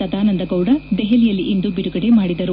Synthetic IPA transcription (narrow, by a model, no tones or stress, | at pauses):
ɐd̪aːnɐnd̪ɐɡɐwɽɐd̪ɛɦɛlijɐlːiʔind̪ubiɾuɡɐɽe̞maːɽid̪ɐɾu